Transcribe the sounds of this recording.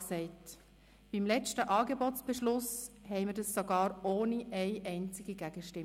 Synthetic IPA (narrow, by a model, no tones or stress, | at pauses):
sɛɪt | b̥imlɛt͡ʃtəʔɑːɡebɔt͡sb̥ɛʃlʊshɛɪmədɑsːoɡɑːɾoːniʔɛɪʔɛɪnt͡sɪɡiɡæɡ̥əʃtɪm